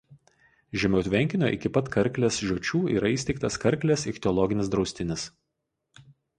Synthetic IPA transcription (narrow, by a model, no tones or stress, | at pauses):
ʒʲɛmʲɛʊt̪ʲʋʲɛŋʲkʲɪnʲoːʔɪ̰kʲɪpɐt̪kɐɾʲklʲesʒʲoɔt͡ʃʲuːḭːɾɐiːst̪ʲɛɪk̚t̪ɐskɐɾʲklʲeːsɪxʲt̪ʲɛɔlˠɔɡʲɪnʲɪsd̪ɾɒʊsʲt̪ʲɪnʲɪs